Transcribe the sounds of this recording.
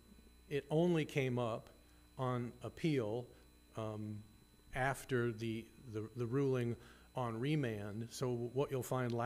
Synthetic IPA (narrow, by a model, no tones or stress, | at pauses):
ɪɾõʊ̃nlikʰẽɪ̃mʌp | ə̃nəpʰilˠ | æftə˞ðiðɨðɨɹulˠɪ̃ŋ | ə̃nɹimæ̃nd̥soʊwʌt͡ʃɨlˠfãɪ̃ndˡla